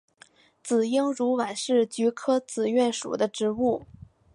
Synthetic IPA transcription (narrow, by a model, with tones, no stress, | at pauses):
t͡sɹ̩˨˩ji˥ŋɻu˧˥wa˨˩nʂɻ̩˥˩t͡ɕy˧˥kʰɤ˥t͡sɹ̩˨˩ɥɛ˥˩nʂṵ˨˩d̪ə˦ʈ͡ʂɻ̩˧˥u˥˩